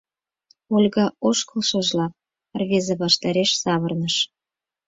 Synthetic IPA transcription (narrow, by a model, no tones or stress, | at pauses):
olʲɣɑʔoʃkə̆lʃɤ̆ʒlɑp̚ | rβezeβɑʃt̪ɑɾeʃsɑβərnəʃ